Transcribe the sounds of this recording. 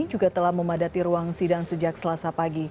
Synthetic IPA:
d͡ʒuɡat̪əlahməmadat̪iɾuaŋsidaŋsəd͡ʒak̚səlasapaɡi

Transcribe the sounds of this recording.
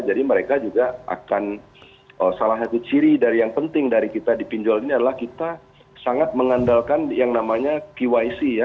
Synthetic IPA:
d͡ʒadiməɾekad͡ʒuɡaʔa̰kan | əsalaɦsat̪ut͡ʃiɾidaɾijaŋpənt̪ɪŋdaɾikit̪adipiɲd͡ʒɔliniadalahkit̪a | saŋat̪̚məŋandalkanjaŋnamaɲakiwaisija

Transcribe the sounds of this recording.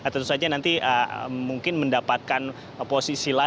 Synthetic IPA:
ət̪ənt̪usad͡ʒanant̪iəmuŋkɪnməndapat̪̚kan | posisila

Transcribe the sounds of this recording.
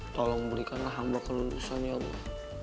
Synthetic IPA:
t̪ɔlɔŋbəɾikanlaɦambakəlulṵsaniabṵ

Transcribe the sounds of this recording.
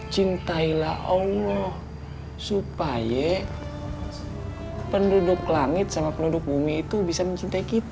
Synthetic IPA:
t͡ʃint̪aila̰hɔlɔh | supaja | pəndudʊklaŋɪt̪samapəndudʊk̚bumiːt̪ubisaməɲt͡ʃint̪aikit̪

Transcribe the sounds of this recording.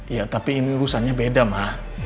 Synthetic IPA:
jat̪apiːniɾusaɲabedamah

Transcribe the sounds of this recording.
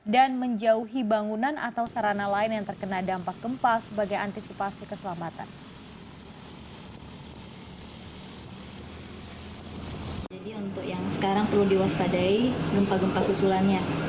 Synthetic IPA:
danməɲd͡ʒauɦibaŋunanʔa̰t̪awsaɾanalaɪnjaŋt̪ərkənadampak̚ɡ̥əmpalsəbaɡajant̪isipasikəsəlamat̪a̰n | d͡ʒadiunt̪ʊkjaŋsə̥kaɾaŋpərludiwaspadaiɡəmpaɡəmpasusulanɲa

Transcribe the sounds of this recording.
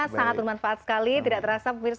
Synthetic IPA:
saŋat̪̚bərmanfaʔat̪̚sə̥kalit̪idaʔt̪əɾasapumɪrs

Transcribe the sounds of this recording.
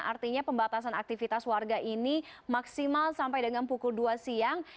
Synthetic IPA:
a̰rt̪iɲapəmbat̪as̬anak̚t̪ifit̪aswarɡaʔinimaksimalsampajdəŋanpukulduasiaŋ

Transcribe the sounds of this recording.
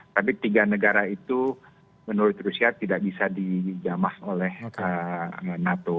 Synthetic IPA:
t̪ap̬it̪iɡanəɡaɾait̪u | mənuɾʊt̪rusiat̪idaʔ̚bisadid͡ʒamaholɛhəənat̪o

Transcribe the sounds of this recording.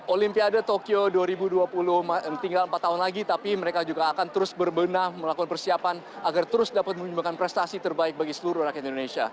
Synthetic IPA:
ʔolimpiadat̪okioduaɾibuduapulʊhmat̪iŋɡaləmpat̪ːaɦʊnlaɡit̪apiməɾekad͡ʒuɡaːkant̪əɾʊsbərbənarməlakukanpərsiapan | aɡart̪əɾʊsdapat̪̚mə̃ɲumbakanpɾɛst̪asit̪ərbaɪk̚baɡisəluɾʊhɾakiat̪indonesia̰

